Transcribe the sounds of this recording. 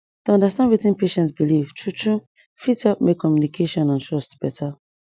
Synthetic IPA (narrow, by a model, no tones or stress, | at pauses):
tuɔ̃ndastãndwitĩnpeʃɛ̃ntsbiliv̥tʰɹutu | fitɔpmekʰːɔmjunikʰeʃɔ̃nãntɹɔstb̥ɛtʰa